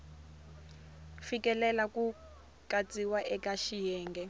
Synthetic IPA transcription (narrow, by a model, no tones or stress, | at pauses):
fikʼɛlɛlaku | kʼat͡sʼiwaʔɛkʼaʃijɛːŋɡɛ